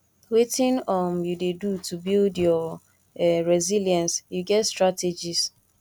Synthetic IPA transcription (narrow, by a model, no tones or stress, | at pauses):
wetɪ̃nɔmjudedutubildjɔ | ɹɛziljãnsjuɡɛtstɹated͡ʒis